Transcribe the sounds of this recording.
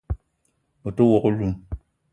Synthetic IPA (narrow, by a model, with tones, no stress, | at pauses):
o˨to˦wɔ˨ko˦lu˦m